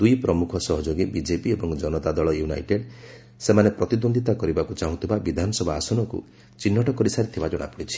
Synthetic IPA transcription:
d̪ujpɾɔmukʰɔsɔɦɔd͡ʒoɡibid͡ʒepiebɔŋd͡ʒɔnɔt̪ad̪ɔɭɔjuna̰jʈeɖ | semanepɾɔt̪id̪ond̪ʱit̪akɔɾibakut͡ʃaɦũt̪ʰibabid̪ʱanɔsɔbʱaːsɔnɔkṵ | t͡ʃinːɔʈɔkɔɾisaɾit̪ʰibad͡ʒɔɽ̃a̰puɽit͡ʃʰi̥

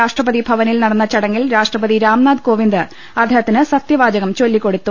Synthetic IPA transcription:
aːʂʈrɐpɐðibʱɐʋɐnilnɐɽɐnːɐt͡ɕɐɽɐŋːilɾaːʂʈrɐpɐðiɾaːmnaːd̪ko̞ːʋind̪ɨ | ɐd̪ʱeɦɐt̪ːinɨsɐt̪jɐʋaːd͡ʑɐɣɐmt͡ɕo̞lːikːo̞ɽut̪ːu

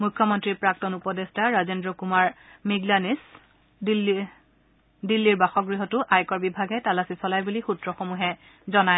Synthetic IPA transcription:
mujkʰːɔmɔntɹipɹak̚tɔnupɔdestaɹazendɹɔkumaɹmiɡlanis | dl | dilːiɹbaxɔɡɹiɦɔtʊʔajkɔɹbibʱaɡɛtalasisɔlajbulixutɹɔxomuɦɛ | zɔnaj

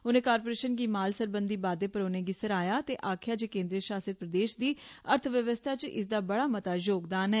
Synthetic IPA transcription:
oːnẽːkaːɾpoːɾeːʃənɡiːmaːlsəɾbənd̪iːbaːd̪eːpəɾoːnẽːɡɪsəɾaːjaːt̪eːʔaːkʰjaːd͡ʒekẽːnd̪ɾiəʃaːsət̪̚pɾəd̪eːʃd̪iːəɾt̪ʰʋjəʋəst̪ʰaːt͡ʃʔɪ̰s̬d̪aːbəɽaːmət̪aːd͡ʒoːkd̪aːnɦɛː

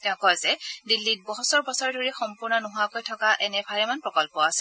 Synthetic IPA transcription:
tɛɔ̃kɔjzɛdilːit̚bɔɦɔsɔɹbɔsɔɹɛdʱoɹixɔmpʊɹnɔnʊɦʊakojtʰɔkaʔɛnɛbʱaɹɛmanpɹɔkɔlpɔasɛ̥

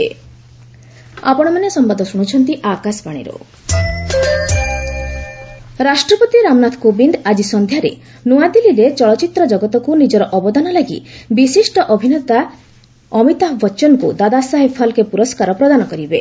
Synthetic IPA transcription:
e | a̰pɔɽ̃ɔmanesɔmbad̪ʱɔsuɽ̃ut͡ʃʰɔnt̪iʔakaspaɽ̃ḭɾo̰ | ɾasʈɾɔpɔt̪iɾamnat̪ʰkobind̪ad͡ʒisɔnd̪ʱjaɾḛ | nuad̪iliɾet͡ʃɔɭɔt͡ʃit̪ɾɔd͡ʒɔɡɔt̪ɔkunid͡ʒɔɾɔʔɔbɔd̪anɔlaɡḭbisisʈɔʔɔbʱinet̪a | ɔmit̪aɦbɔt͡ʃɔnkud̪ad̪asaɦepʰalkepuɾɔskaɾɔpɾɔd̪anɔkɔɾibe

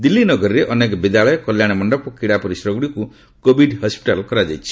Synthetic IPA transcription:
d̪ilːinɔɡɔɾiɾeʔɔnekɔbid̪aɭɔjɔkɔljaɽ̃ɔmɔɳɖɔpɔkiɽapɔɾisɾɔɡɽiku | kobʱiɖhɔspi̥ʈalkɔɾad͡ʒajt͡ʃʰi̥

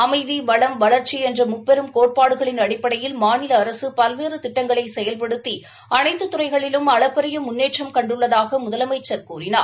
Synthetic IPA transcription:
ɐmɐɪðiʋɐɭɐmʋɐɭɐɾt͡ʃiɛndrɐmʊpːɛɾɯmkoːʈ̚paːɽɯɣɐɭɪnɐɽɪpːɐɽɐjɪlmaːnɪlɐːɾɐsɯpɐlʋeːrɯt̪ɪʈːɐŋɡɐɭɐɪsɛjɐlpɐɽɯt̪ːi | ɐnɐɪnd̪ɯt̪ʊrɐɪɣɐɭɪlɯmɐɭɐpːɐɾɐjɐmʊnːeːʈt͡ʃɐmkɐɳɖɯɭːɐðaːɣɐmʊðɐlɐmɐɪt͡ʃːɐɾkuːrɪna̰ː

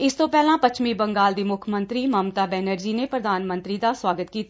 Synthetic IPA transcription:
ɪst̪õːpɛːlãːpət͡ʃʰmiːbəŋɡaːld̪iːmʊkʰmənt̪ɾiːməmt̪aːbɛːnəɾd͡ʒiːneːpɾəd̪aːnmə̃nt̪ɾiːd̪aːswaːɡət̪kiːt̪a

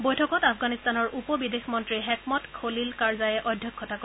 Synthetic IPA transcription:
bojtʰɔkɔtapʰɡanistanɔɹʔupɔbidexmɔntɹiɦɛkmɔtkʰolilkaɹzajɛʔɔdʱjɔkʰːɔtako

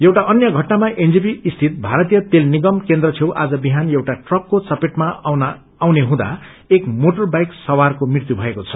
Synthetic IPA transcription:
jewʈaʔʌnjʌɡʱʌʈnamaʔend͡zipiist̪ʰit̪̚bʱaɾʌt̪ijʌt̪elniɡʌmkend̪ɾʌt͡sʰewʔa̰d͡zʌbiɦanjewʈaʈrʌkːot͡sʌpeʈmanː | wneɦũd̪a̰ | ekmoʈʌrbajksʌwarkomrirt̪jubʱʌekot͡sʰʌ̥

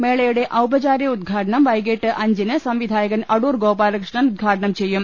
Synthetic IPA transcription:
meːɭɐjuɽeʔɐwpɐt͡ɕaːɾjɐud̪̚ɡʱaːʈɐɳɐmʋɐjɡeːʈːɨʔɐɲd͡ʒinɨsɐmʋid̪ʱaːjɐɡɐnɐɽuːɾɡoːpaːlɐkɾʂɳɐnud̪̚ɡʱaːʈɐɳɐmt͡ɕejːum

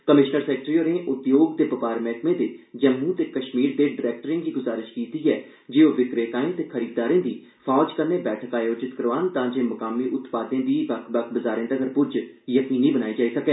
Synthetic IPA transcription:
kəmɪʃnəɾsɛːk̚ʈɾiːoːɾẽːʔʊt̪joːɡt̪eːpəpaːɾmɛːkmẽːd̪eːd͡ʒəmːũt̪eːkəʃmiːɾd̪eːɖɪɾɛːk̚ʈəɾɪ̃ŋɡiːɡʊzaːɾɪʃkiːt̪iːɛː | d͡ʒeːoːʋɪkɾeːt̪aːẽt̪eːkʰəɾiːd̪aːɾẽːd̪iː | pʰɔːd͡ʒkəɾneːbɛːʈʰəkaːjoːd͡ʒɪt̪kəɾʋaːnt̪ãːd͡ʒeːməkaːmiːʔʊt̪paːd̪ẽːd̪iːʋəkʰbəkʰbəzaːɾẽːd̪əɡəɾpʊd͡ʒjəkiːniːbənaːiːd͡ʒaːiːsəkɛː

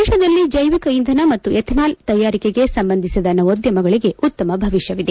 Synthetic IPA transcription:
ʃɐd̪ɐlːid͡ʒɐjʋikɐind̪ʱɐnɐmɐt̪ːuʔɛt̪ʰnaːlt̪ɐjːaːɾikeɡesɐmbɐnd̪ʱisid̪ɐnɐod̪jɐmɐɡɐɭiɡe̞ʔut̪ːɐmɐbʱɐʋiʂjɐʋid̪e

